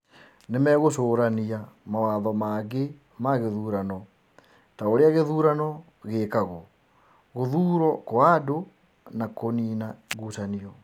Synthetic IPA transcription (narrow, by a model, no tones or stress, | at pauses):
nemɛɣosoːɾaniamawaðɔmaɡe | maɣeðuːɾanɔ | taoɾeaɣeðuːɾanɔ | ɣeːkaɣɔ | ɣoðuːɾɔkoado | nakoninaɡusaniɔ